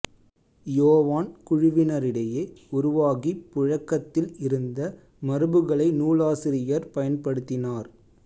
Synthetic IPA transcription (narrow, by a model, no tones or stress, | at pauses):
joːʋaːnkʊɻɪʋɪnɐɾɪɽɐjeːʊɾʊʋaːɣipːʊɻɐkːɐt̪ːɪlɪɾɯnd̪ɐ | mɐɾɯbɯɣɐɭɐɪnuːɭaːsɪɾɪjɐɾpɐjɐnpɐɽɯt̪ːɪnaːɾ